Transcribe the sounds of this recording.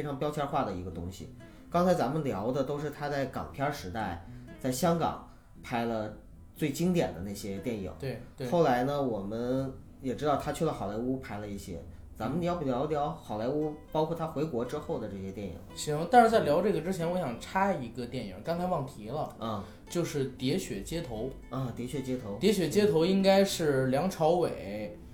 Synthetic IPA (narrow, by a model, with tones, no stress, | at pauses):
fe˥ʈ͡ʂʰɑ˧˥ŋpjɑ˥ʊt͡ɕʰjɑ˥xwa˥˩d̪ə˩i˧˥ɡə˧t̪ʊ̰˥ŋɕḭ˨˩ | kɑ˥ŋt͡sʰɪt͡sa˧˥mə˧nljɑ˧˥ʊd̪ə˧t̪o˥ʊʂ̬ɻ̩˥˩t̪ʰa˥t͡sa˥˩ɪkɑ̰˨˩ŋpʰjɑ˥ʂɻ̩˧˥t̪a˥˩ɪt͡sa˥˩ɪɕjɑ˥ŋkɑ̰˨˩˦ŋ | pʰa˧˥ɪlə˧ | t͡swe˥˩ɪt͡ɕi˥ŋt̪jɛ̰˨˩nd̪ə̰˦na˥˩ɕjɛ˥t̪jɛ˥˩nḭ˨˩˦ŋt̪e˥˩˥xo˥˩ʊla˧˥ɪnə˧wɔ˨˩mə˦n | jɛ˨˩ʈ͡ʂɻ̩˥t̪ɑ˥˩ʊt̪ʰa˥t͡ɕʰy˥˩lə˩xɑ˨˩ʊla˧˥ɪu˥pʰa˧˥ɪlə˧i˥˩ɕjɛ̰˥ | t͡sa˧˥mə˧n˧jɑ˥˩ʊpljɑ˧˥ʊljɑ˧˥ʊxɑ˨˩ʊla˧˥ɪu˥pɑ˥kʰwɔ˥˩t̪ʰa˥xwe˧˥ɪkwɔ˧˥ʈ͡ʂɻ̩˥xo˥˩ʊd̪ə˩ʈ͡ʂɤ˥˩ɕjɛ˥t̪jɛ˥˩nḭ˨˩˦ɕi˧˥˧t̪a˥˧nʂɻ̩˥˧t͡sa˥˩ɪljɑ˧˥ʊʈ͡ʂɤ˥˩ɡə˩ʈ͡ʂɻ̩˥t͡ɕʰjɛ˧˥nwɔ˧˥ɕjɑ˨˩ŋʈ͡ʂʰa˥i˧˥ɡə˧t̪jɛ˥˩nḭ˨˩ŋkɑ˥ŋt͡sʰa˧˥wɑ˥˩ŋt̪ʰi˧˥lə˧ə˥˩ | t͡ɕjo˥˧ʊʂɻ̩˥˩t̪jɛ˧˥ɕɥɛ˨˩t͡ɕjɛ˥t̪ʰo˧˥ʊ | ɐ˧˩t̪jɛ˧˥ɕɥɛ˧˩t͡ɕjɛ˥t̪ʰo˧˥t̪jɛ˧˥ɕ̬ɥɛ˨˩t͡ɕjɛ˥t̪ʰo˧˥ʊi˥ŋka˥ɪʂɻ̩˥˩ljɑ˧˥ŋʈ͡ʂʰɑ˧˥ʊwe˨˩˦ɪ